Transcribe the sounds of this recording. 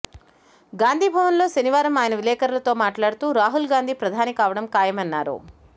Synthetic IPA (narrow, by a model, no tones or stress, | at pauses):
ɡaːnd̪ʱiːbʱɐʋɐnlo̞ːʃɐniʋaːɾɐmaːjɐnɐʋilɛːkɐɾɐlɐt̪o̞ːmaːʈlaːɽut̪uːɾaːɦulɡaːnd̪ʱiːpɾɐd̪ʱaːnikaːʋɐɽɐmkaːjɐmɐnːaːɾṵ